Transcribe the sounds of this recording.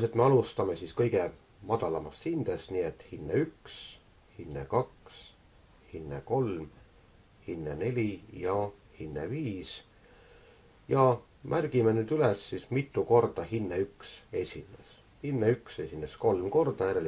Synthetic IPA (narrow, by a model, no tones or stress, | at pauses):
se̞t̪me̞ɑlust̪ɑme̞siskɤjɡ̥e | mɑd̪̥ɑlɑmɑst̪hind̪̥est̪niːet̪ːhinːeyks | hinːḛkɑks | hinːḛko̞lm | hinːene̞lʲijɑ | hinːḛviːs | jɑ | mʔærɡ̥imenyːd̪ylesːismit̪ːˑuko̞rd̪̥ɑhinːeykse̞sʲinḛs | hinːeykse̞sinesko̞lmko̞rd̪̥ɑjæɾel